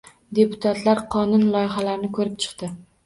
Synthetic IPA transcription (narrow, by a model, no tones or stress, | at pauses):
d̪e̞pʰʊ̥t̪ʰat̪ʰlaɾqʰɒnʊnlˠɒjɪɦalaɾnɪkʰɵɾɪp̚t͡ʃʰɨ̥qt̪ɪ